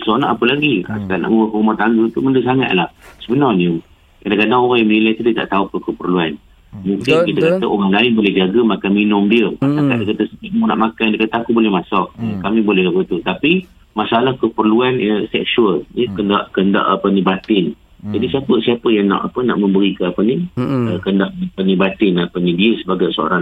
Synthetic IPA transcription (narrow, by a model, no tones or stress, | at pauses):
sɔna̰ʔapəlaɡia̰ska̰ʔna̰ʔməmbəkəumaht̪aŋɡət̪uməndəsaŋa̰ʔ̪lahsəbənarnə | kadakadaŋoɣaŋjaŋnilajt̪udiət̪a̰ʔt̪auapəkəpərluan | muŋkɪnkit̪əkat̪əʔoɾaŋlaɪnbolɛhd͡ʒaɡəmakanminʊmdiəat̪ak̪aʔdikat̪asəkiʔ̪̚muna̰ʔmakandikat̪aakubolɛhmasɔʔkamĩbolɛɦaɡət̪ut̪api | masaalahkəpərluanəsɛk̚suəljəkəndaʔkənda̰ʔapənĩbat̪ɪn | d͡ʒadisiapəsiapəjaŋna̰ʔapəna̰ʔmə̃mbəɾikəapəniəkəndaʔpənĩbat̪ɪnapənĩdiəsəbaɡajsoo̰ɾa